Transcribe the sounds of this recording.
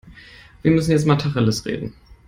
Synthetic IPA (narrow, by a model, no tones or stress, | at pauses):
viːɐmʏsn̩jɛt͡stmaːtʰaχəlɪsʁḛːdn̩